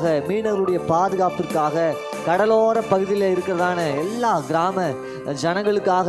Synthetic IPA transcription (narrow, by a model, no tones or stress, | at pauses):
ɣɐmiːnɐʋɐlɯɽɐjɐpaːðɯɣaːpɯrkːaːɣɐ | kɐɽɐloːɾɐpɐɣɯðɪjɪlɐɪɾɯkːɪɾɐðaːnɐɛlːaːɡɪɾaːmɐ | d͡ʒɐnɐŋɡɐɭɯkːaːɣ